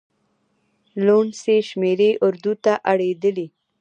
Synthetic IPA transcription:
loɳseʃmeɾeʔʊɾd̪ut̪aʔaɽed̪əli

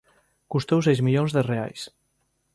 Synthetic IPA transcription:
kust̪ewsɛjzmiʎonzðerea̰js

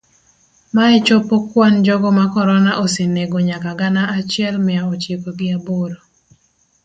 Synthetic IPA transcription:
maɛt͡ʃopokwand͡ʒɔɡɔmakɔɾɔnaʔoseneɡoɲakaɡanaʔat͡ʃɪɛlmɪaɔt͡ʃekoɡɪaboɾo

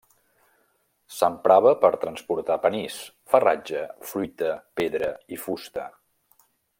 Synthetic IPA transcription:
səmpɾaβəpəɾt̪ɾənspuɾt̪apənis | fərad͡ʒəfɾujt̪əpeðɾəifust̪ə

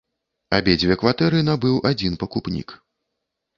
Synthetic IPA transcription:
abʲed͡zʲvʲɛkvat̪ɛɾɨnabɨwad͡zʲinpɐkupnʲḭk

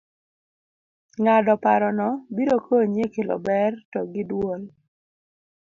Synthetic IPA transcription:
ŋadɔpaɾɔnɔbiɾokʰoɲjekelɔ̰bɛrtɔɡɪdwol

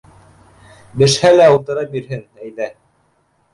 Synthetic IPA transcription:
bɘ̆ʃhælæulˠt̪ɤ̆ɾɑbiɾɦɘnæjðæ

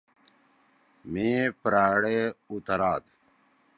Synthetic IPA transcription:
mẽːpɾaːɽeːut̪əɾaːd̪

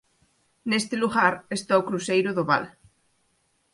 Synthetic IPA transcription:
nest̪eluɣaɾest̪aokɾusejɾʊðoβa̰l

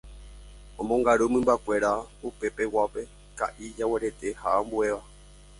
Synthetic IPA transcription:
õmõŋɡaɾumɨ̃mbakʷe̞ɾaupe̞pe̞wape̞ | ka̰ʔid͡ʒawe̞ɾet̪e̞haʔambue̞ʋa

